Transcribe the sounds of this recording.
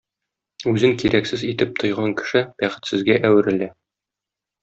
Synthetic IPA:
ʉzɘŋkiɾʔæksɘzit̪ɘp̚t̪ʰŏjʁɑŋkɘ̥̆ʃɘb̥æχɘ̆t̪sɘ̆zɡæʔæwɘ̆ɾɘ̆læ

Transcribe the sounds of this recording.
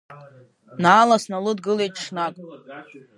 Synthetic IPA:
naːlasnalɨdɡɨle̞jtʼʂnakʼ

